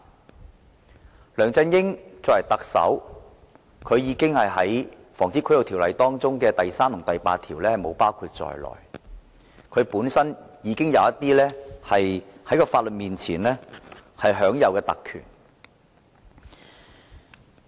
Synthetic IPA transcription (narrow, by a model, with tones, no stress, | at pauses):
lœː˨˩ŋt͡sɛ˧njɪ˥ŋt͡sɔː˧kjɐ˨˩jt̪ɐ˨k̚sɐ̰˨˥w | kʰɵ˨˧ɥjiː˨˧kɪ˥ŋhɐ˨jɦɐ˨˥j | fɔː˨˩ŋt͡siː˨˥kʰːjɐ˨wt̪ʰiː˨˩wlɐ˨jt̪ɔː˥ŋt͡sʊ˥ŋkɛː˧t̪ɐ˨jsaː˥mt̪ʰʊ˨˩t̪ɐ˨jpaː˧t̚t̪ʰiː˨˩wlɛː˥hɐ˨jmo˨˧wpaː˥wkʰuː˧t̚t͡sɔ̰ː˨jlɔ̰ː˨˩j | kʰɵ˨˧ɥpuː˨˥nsɐ˥njiː˨˧kɪ˥ŋjɐ˨˧wɐ˥t̪iː˥lɛː˥hɐ˨jhɐ˨˥jkɔː˧faː˧t̚lə˨t̚miː˨nt͡sʰiː˨˩nlɛː˥hɐ˨jɦœː˨˥ŋjɐ˨˧wkɛː˧t̪ɐ̰˨kʰːy̰ː˨˩n